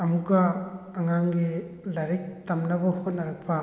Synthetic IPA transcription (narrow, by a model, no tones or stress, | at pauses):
ɐmukaːŋaŋɡi | laɾik̚tamnɐbɐhot̚nɐɾɐk̚pʰa